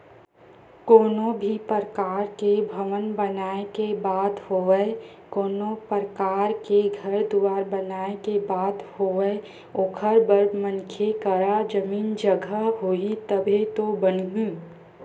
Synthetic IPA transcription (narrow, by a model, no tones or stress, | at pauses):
koːnõbʱipəɾəkaːɾkebʱɐʋənbənaːekebaːd̪hoːə | koːnopəɾəkaːɾkeɡʱəɾd̪uʋaːɾbənaːekebaːd̪hoːʋəe | oːkʰəɾbəɾmə̃nkʰjekəɾad͡ʒəmiːnd͡ʒəɡʱəɦoit̪əbʱet̪obənɡĩː